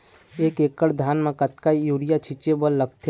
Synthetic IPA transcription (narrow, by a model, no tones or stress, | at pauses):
eːkeːkːəɽd̪ʱjaːnmẽkət̪kaijuːɽijat͡ʃʰit͡ʃebəlːəɡt̪ʰe